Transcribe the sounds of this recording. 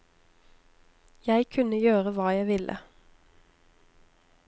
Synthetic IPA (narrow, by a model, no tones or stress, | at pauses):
jæɪkʰʉnəjøːʁəʋɑːjæɪʋɪlʔə̰